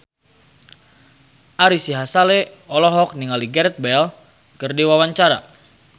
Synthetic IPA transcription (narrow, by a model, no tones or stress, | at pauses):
ʔaɾisiɦasaleɔlɔɦɔk̚niŋaliɡɛɾɛt̪̚bɛl | kɨrdiwawaɲt͡ʃaɾa̰